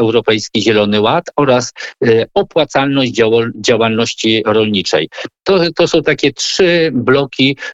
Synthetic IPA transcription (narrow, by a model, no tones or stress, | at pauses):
ɛwɾɔpɛjskʲiʑɛlɔnɘwat̪ɔɾasɔpwat̪salnɔʑd͡ʑd͡ʑawd͡ʑawalnɔɕt͡ɕiɾɔlɲit͡ʂɛ̰jt̪ɔt̪ɔsɔ̃w̃t̪akʲɛtʂɘblɔkʲi